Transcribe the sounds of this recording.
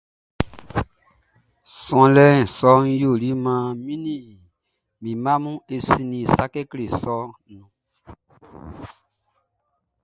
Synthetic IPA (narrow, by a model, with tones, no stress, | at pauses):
sɔ̃˧lɛ˦n˨sɔ˦n˦jo˦˨li˦mã˦mĩ˦nĩ˦˨ | mĩ˨mã˦mũ˦e˨sĩ˧nĩ˨sa˦kɛ˦kle˨sɔ˦nũ˨